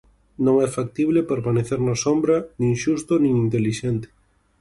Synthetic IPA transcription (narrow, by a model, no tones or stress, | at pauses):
nõŋɛfak̚t̪iβlɪpeɾmaneθeɾnasombɾɐnĩŋʃust̪ʊnĩŋint̪eliʃɛnt̪ɪ̥